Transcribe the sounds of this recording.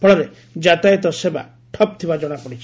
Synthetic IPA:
pʰɔɭɔɾe | d͡ʒat̪ajɔt̪ɔseba̰ | ʈʰɔp̚t̪ʰibad͡ʒɔɽ̃apɔɽit͡ʃʰi

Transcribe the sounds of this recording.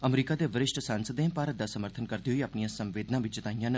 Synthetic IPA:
əmɾiːkad̪eʋəɾɪʃʈʰsaːnsəd̪ẽpaːɾət̪̚d̪asəməɾt̪ʰənkəɾd̪iɦoiɐpnijãːsɐ̃mʋeːd̪nãʋɪt͡ʃd͡ʒɪt̪aːijãːn

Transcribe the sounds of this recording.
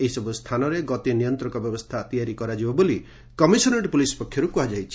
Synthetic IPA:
eɦisɔbust̪ʰanɔɾeɡɔt̪enijɔnt̪ɾɔkɔbjɔbɔst̪ʰat̪ijaɾikɔɾad͡ʒibɔboli | kɔmisɔneʈpulisɔ̥pɔkʰːjɔɾukuɦad͡ʒajt͡ʃʰi

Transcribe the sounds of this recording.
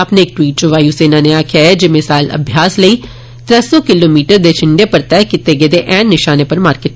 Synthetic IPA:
apneːk̚ʈwiːʈ̚t͡ʃoʋaːjuːseːnãːneaːkʰjaːed͡ʒeːmɪsaːɪlə̰bʱjaːsləiː | t̪ɾɛsɔːkɪloːmiːʈəɾd̪eːt͡ʃʰɪɳɖeːpəɾt̪ɛːkɪt̪eːɡeːd̪eːʔɛːnːɪʃaːneːpəɾmaːɾkɪʈ̚

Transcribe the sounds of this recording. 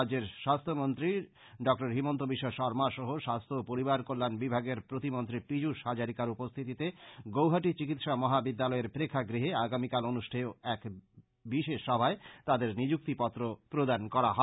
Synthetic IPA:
d͡ʑeɾʃast̪ʰomont̪ɾi | ɖɔk̚ʈaɾɦimont̪obiʃːoʃɔɾmaʃɔɦoʃast̪ʰopoɾibaɾkolːanbibʱaɡeɾpɾot̪imont̪ɾipid͡ʑuʃɦad͡ʑaɾikaɾupost̪ʰit̪it̪eɡowɦaʈit͡ɕikit̪ʃamɔɦabid̪ːalɔeɾpɾekʰːaɡɾiɦeaɡamikalonuʃʈʰeoɛk | biʃeʃːɔbʱaet̪ad̪eɾnid͡ʑuk̚t̪ipɔt̪ːɾopɾod̪ankɔɾaɦɔ

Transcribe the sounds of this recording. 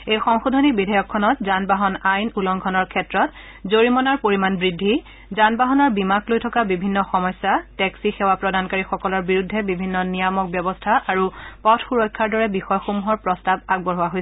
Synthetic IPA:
ejxɔŋxudʱɔnibidʱajɔkʰːɔnɔtzanbaɦɔnajnulɔŋɡʰʱɔnɔɹkʰɛtɹɔt | zoɹimɔnaɹpoɹimanbɹidʱːi | zanbaɦɔnɔɹbimaklojtʰɔkabibʱinːɔxɔmɔjsatɛksixɛwapɹɔdankaɹixɔkɔlɔɹbiɹudʱːɛbibʱinːɔnijamɔk̚bjɔbɔstʰaʔaɹupɔtʰxuɹɔjkʰːaɹdɔɹɛbixɔjɔxomuɦɔɹpɹɔstab̚aɡ̚bɔɦʊaɦojsɛ

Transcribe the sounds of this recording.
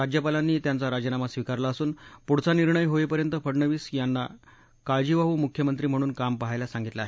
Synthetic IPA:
ɾad͡ʑjəpalanːiːt̪jant͡saɾad͡ʑənamasʋikaɾlaəsuːnpuɽt͡saniɾɳəjɦoepəɾjənt̪əfʰəɽɳəʋiːsjanːa | kaɭd͡ʑiʋaɦuːmukʰjəmənt̪ɾiːm̤əɽ̃uːnkampəɦajlasãŋɡit̪laːɦe

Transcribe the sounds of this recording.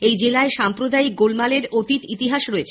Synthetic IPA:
ejd͡ʑelaeʃampɾod̪aik̚ɡolmaleɾot̪it̪it̪iɦaʃɾoet͡ɕʰ

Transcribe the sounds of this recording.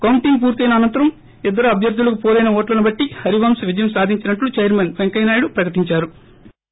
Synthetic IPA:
kɐwuɳʈiŋɡ̚puːɾt̪ɐjnɐːnɐnt̪ɐɾɐm | id̪ːɐɾuɐbʱjɐɾd̪ʱulɐkupɔːlɐjnɐɔːʈlɐnubɐʈːihɐɾiʋaːmsʋid͡ʒɐjɐmsaːd̪ʱiɲt͡ʃinɐʈlut͡ʃejɐɾmenpeŋkɐjnaːjɽupɾɐkɐʈiɲt͡ʃaːɾu

